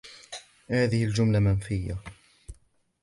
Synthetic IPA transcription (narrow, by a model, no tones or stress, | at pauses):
haːðɪhɪld͡ʒʊmlamanfɪjːa̰